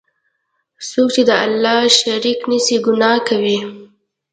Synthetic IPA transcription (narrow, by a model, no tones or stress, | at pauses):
sok̚t͡ʃed̪əalːɑʃaɾiknisiɡʊnɑkawi